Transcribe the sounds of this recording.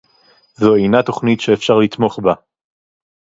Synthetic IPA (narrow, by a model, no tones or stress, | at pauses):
zoejnat̪o̞χnitʃeːfʃaʁlit̪mo̞χba